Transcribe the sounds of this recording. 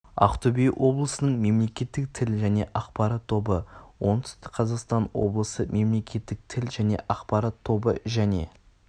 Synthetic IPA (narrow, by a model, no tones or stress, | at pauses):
ɑ̰qt̪ʰɵbijwʔo̞blˠəsənəɴme̞mle̞kʲe̞t̪ːɪk̚t̪ʰɪlʒæne̞̰ʔɑqpɑɾɑt̪ʰːo̞bəwo̞nd̪ʏ̥st̪ɪ̥qʰɑzɑqst̪ɑnwo̞̰blˠəsəmʔe̞mle̞kʲe̞t̪ːɪk̚t̪ʰɪlʒæne̞̰ʔɑqpɑɾɑt̪ʰːo̞bə̰ʒæne̞̰